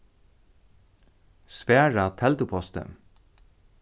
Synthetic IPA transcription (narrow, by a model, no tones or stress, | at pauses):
spæːɹat̪ʰɛlt̪əpʰɔst̪ə̰